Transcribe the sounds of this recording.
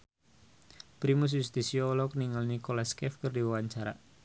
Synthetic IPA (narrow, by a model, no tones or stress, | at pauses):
pɾimus̬just̪isiɔlɔk̚niŋalnikolaskɛfkərdiwawaɲt͡ʃaɾa